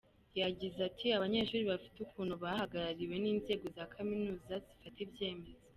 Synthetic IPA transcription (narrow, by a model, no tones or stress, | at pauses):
jaɟizatʰiaβaɲaʃuːɾiβafi̥tukʰuːnhuβahaɡaɾaɾiwe̞niːnze̞ːɡo̞zaːkʰaminuːzazifatibje̞ːme̞za